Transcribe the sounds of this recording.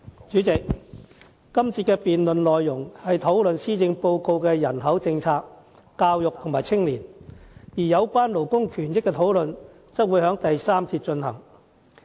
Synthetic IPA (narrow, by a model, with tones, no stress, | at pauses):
t͡ʃyː˨˥t͡sɪ˨k̚ | kɐ˥mt͡sʰi˧t̚kɛː˧piː˨nlɵ˨nlɔː˨jːʊ˨˩ŋhɐ˨jt̪ʰo˨˥wlɵ˨nsiː˥t͡sɪ˧ŋpo˧wko˧wkɛː˧jɐ˨˩nɦɐ˨˥wt͡sɪ˧ŋt͡sʰaː˧k̚ː | aː˧wjʊ˨k̚t̪ʰʊ˨˩ŋmaː˨˩jt͡sʰɪ˥ŋliː˨˩njiː˨˩jɐ˨˧wkʷaː˥nlo˨˩wkʊ˥ŋkʰyː˨˩njɪ˥kːɛː˧t̪ʰo˨˥wlɵ˨n | t͡sɐ˥t̚wuː˨˧jhœː˨˥ŋt̪ɐ˨jsaː˥mt͡sʰiː˧t̚t͡ʃɵ˧nhɐ˨˩ŋ